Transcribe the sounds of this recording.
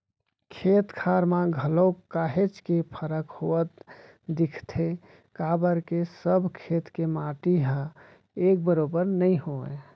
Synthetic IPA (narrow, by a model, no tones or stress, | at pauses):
kʰet̪kʰaɾmãɡʱəlokːaɦet͡ʃkepʰəɾəkhoət̪ | d̪ikʰt̪ʰe | kabəɾkesəbʱkʰet̪kemaʈiɦə̃ | ek̚bəɾobəɾnəjɦoḛ